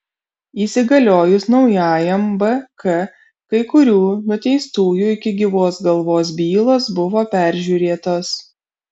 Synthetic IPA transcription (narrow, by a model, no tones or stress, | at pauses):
iːsʲɪɡɐlʲoːjʊsnɒʊjaːjɛmbɛkɛ | kɐɪkʊɾʲuːnʊt̪ʲɛɪst̪uːjuːɪkʲɪɡʲɪʋoːsɡɐlˠʋoːs̬bʲiːlˠoːsbʊʋoːpʲæˑɾʲʒʲuːɾʲeːt̪oːs